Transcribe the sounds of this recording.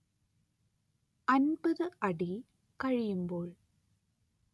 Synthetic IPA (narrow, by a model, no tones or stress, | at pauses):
ʔɐnbɯðɯʔɐɽi | kɐɻɪjɯmboːɭ